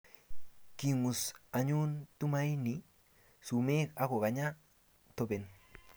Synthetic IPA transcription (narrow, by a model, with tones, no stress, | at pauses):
ki˨mu˨sa˨ɲu˦ntu˦ma˦i˦ni | su˨me˦ka˦ko˨ka˨ɲa˦ | to˦be˨n